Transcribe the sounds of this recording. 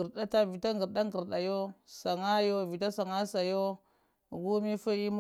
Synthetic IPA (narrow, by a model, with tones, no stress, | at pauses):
ə˨ɾɗa˦ta˦vi˨ta˦ŋɡə˨ɾɗa˦ŋɡə˨ɾɗa˨jo˦sa˨ŋa˦jo˦vi˨ta˦sa˨ŋa˦sa˨jo˦˨ | ɡu˦mi˦fu˦i˦m˦